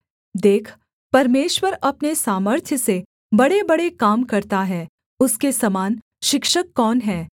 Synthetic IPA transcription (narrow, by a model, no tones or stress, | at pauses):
d̪eːkʰ | pɐɾmeːʃwəɾɐpnesaːməɾt̪ʰjəse | bɐɽebɐɽekaːmkɐɾt̪aɦɛː | ʊskesɐmaːn | ʃɪkʃəkːɔːnɦɛː